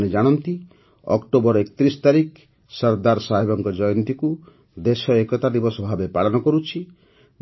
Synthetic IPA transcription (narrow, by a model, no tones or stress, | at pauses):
ned͡ʒaɽ̃ɔnt̪i | ɔ̰kʈobɔɾekɔ̥t̪ɾisɔ̥t̪aɾik | sɔɾd̪aɾɔsaɦebɔŋkɔd͡ʒɔjɔnt̪iku | d̪esɔekɔt̪ad̪ibɔsɔbʱabepaɽɔnɔkɔɾut͡ʃʰi